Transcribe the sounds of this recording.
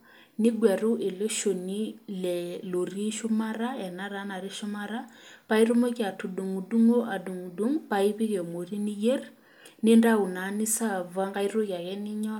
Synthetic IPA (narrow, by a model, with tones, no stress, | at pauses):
ni˦ɡwa˨ɾu˦ʔe˨lo˦ʃo˨ni˦lɛ˨lo˨ri˦ʃu˦ma˦ɾa˦ɛ˨na˦ɾa˨˦na˨ɾi˦ʃʊ˦ma˦ɾa˦pa˦i˦ɾo˦mo˦ki˦a˨tu˨du˨ŋu˨du˦ŋo˦ʔa˨du˨ŋu˨du˦ŋpai˦βi˦ɣɛ˨mo˨ri˦ni˦je˦r | ne˦nda˦u˨na˨ni˦sa˦˨va˦ŋɡa˦iɾo˦ɣa˨ɣɛ˦ni˦ɲɔ˦